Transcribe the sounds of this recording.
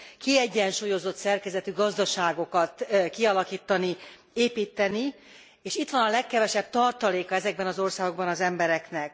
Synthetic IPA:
kiɛɟːɛnʃuːjo̞zo̞t̪sɛrkɛzɛt̪yɡɒzd̪ɒʃaːɡo̞kɒt̪kiɒlɒkiːt̪ːɒni | eːpiːt̪ːɛni | eːʃit̪ʋɒnɒlɛkːɛvɛʃɛb̚t̪ɒrt̪ɒleːkɒɛzɛɡ̚bɛnɒzo̞rsaːɡo̞ɡbɒnɒzɛmbɛɾɛknɛk

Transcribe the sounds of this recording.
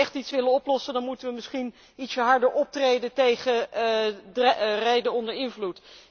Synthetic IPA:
ɛχtitsʋɪlənɔplɔsədɑnmutəʋəmɪsχin | itsəɦɑɹdəɹɔp̚trejdəntejχə | rɛjdəɔndəɹɪnvlut

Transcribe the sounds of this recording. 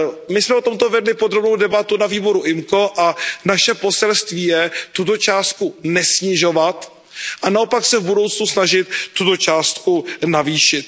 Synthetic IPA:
mɪsmɛo̞t̪o̞mt̪o̞vɛdlɪpod̪ɾo̞bnowdɛbat̪unaviːbo̞ɾuʔɪmko̞ʔanaʃɛpo̞sɛlst̪viːjɛt̪ut̪o̞t͡ʃaːst̪̚kunɛsɲɪʒo̞vat̪ | ʔanao̞paksɛvbudo̞wt͡snusnaʒɪt̪ːut̪o̞t͡ʃaːst̪kunaviːʃɪt̪̚

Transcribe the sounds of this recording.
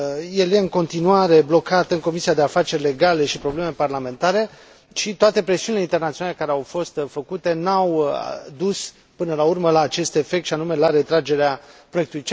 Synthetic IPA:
je̞lje̞ɨŋko̞nt̪inuaɾe̞blo̞kat̪ɨŋko̞misiad̪e̞afat͡ʃe̞rʲle̞ɡale̞ʃipɾo̞ble̞me̞parlame̞nt̪aɾe̞ | ʃit̪oat̪e̞pɾe̞siunileint̪e̞rnat̪sionale̞kaɾeawfo̞st̪fəkut̪e̞naw̰d̪us | pɨnəlaurməlaːt͡ʃe̞st̪e̞fek̚t̪ʃianume̞laɾe̞t̪ɾad͡ʒe̞ɾeapɾojekt̪ulujt͡ʃ

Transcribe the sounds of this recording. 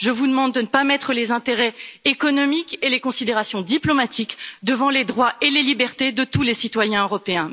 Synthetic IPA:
ʒəvud̪əmɑ̃d̪ːənəpamɛt̪χəlezɛ̃t̪eʁɛekɔnɔmikelekɔ̃sid̪eʁasjɔ̃d̪iplɔmat̪ʰikd̪əvɑ̃led̪ʁwaelelibɛʁt̪ed̪ət̪ulesit̪wajɛ̃øʁɔpeɛ̃

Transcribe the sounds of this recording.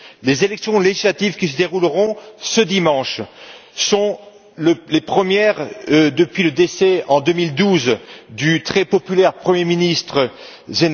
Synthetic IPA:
lezelɛksjɔ̃leʒislat̪ivkʲisəd̪eʁulʁɔ̃səd̪imɑ̃ʃ | sɔ̃ | ləlepχəmjɛʁd̪əpɥiləd̪esɛɑ̃d̪ømild̪uzd̪yt̪χɛpɔpylɛʁpχəmjeminist̪χə | zen

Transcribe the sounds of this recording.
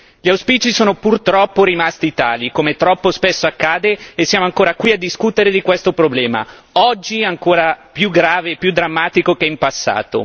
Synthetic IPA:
ʎiawspiːt͡ʃisoːnopurt̪ɾɔpːoɾimast̪it̪aːlikomet̪ɾɔpːospesːoakːaːd̪eːsːjaːmoaŋkoːɾakwiad̪ːiskut̪eɾed̪ikwest̪opɾoblɛːma̰ | ɔd͡ʒːiaŋkoːɾapjuɡɾaːveːpːjud̪ːɾamːaːt̪ikokeimpasːa̰ːt̪o̰

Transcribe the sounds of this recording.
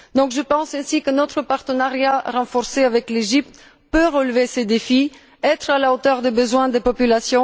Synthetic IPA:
d̪ɔ̃kʒəpɑ̃sɛ̃sikənɔt̪χəpaʁt̪ənaʁjaʁɑ̃fɔʁseavɛkleʒip̚t̪ | pøʁəlvesed̪efi | ɛt̪χalaot̪œʁd̪ebəzwɛ̃d̪epɔpylasjɔ̃

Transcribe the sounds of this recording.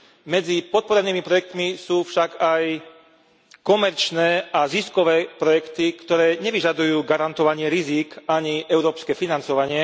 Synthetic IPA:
mɛd͡zipɔt̪̚pɔɾɛniːmipɾɔjɛk̚t̪misuːfʃaɡaj | kɔmɛɾt͡ʃnɛːaziskɔʋɛːpɾɔjɛkt̪ikt̪ɔɾɛːɲɛʋiʒad̪ujuːɡaɾant̪ɔʋaɲɪɛɾiziːkaɲiʔɛʊɾɔːpskɛfinant͡sɔʋaɲɪɛ

